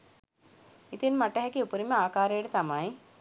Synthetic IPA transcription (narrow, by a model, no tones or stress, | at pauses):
it̪inmaʈːɐɦɐkːiupuɾimeaːkaːɾejɽet̪amaːj